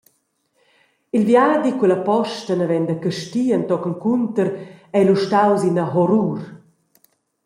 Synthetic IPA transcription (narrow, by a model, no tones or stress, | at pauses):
ilvjaːd̪ikwɛləpɔʃtənəvɛnd̪əkəʃtiːənt̪ɔkəŋkunt̪əɾɛjluʃtawzinəɦɔɾuːɾ